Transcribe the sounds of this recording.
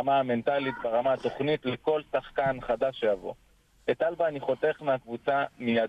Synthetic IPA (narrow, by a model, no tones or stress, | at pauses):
amaame̞ntalit̚baʁamaat̪o̞χnitleko̞ltaχkanχadaʃejavo̞̰ | etalvaːniχo̞te̞χmeakvut͡samijad